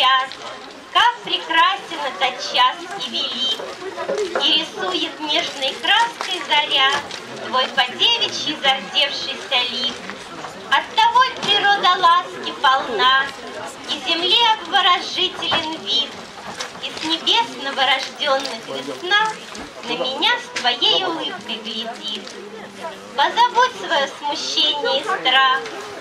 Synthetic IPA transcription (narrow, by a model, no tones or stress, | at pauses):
at̪ | kak̚pɾʲɪkɾasʲɪnəzɐt͡ɕasʲivʲɪlʲik | iɾʲɪsujɪt̪nʲeʐnɨjkɾaskəjzɐɾʲat̪ | d̪vo̞jpɐdʲevʲɪt͡ɕjɪzɐrdʲe̞fʂɨjsʲɐlʲik | ɐt̪ːɐvojpɾʲɪɾod̪ɐlˠaskʲɪpɐlˠna | izʲɪmlʲiɐbvəɾɐʐɨtʲɪlʲɪnvʲit̪ | isnʲɪbʲe̞snəvəɾɐʐdʲonːɨxvʲɪsna | nəmʲɪnʲast̪vɐjejʊlˠɨp̚kəjpʲɾʲɪdʲit̪ | pəzɐbotʲsvɐjosmʊɕːenʲɪjəist̪ɾax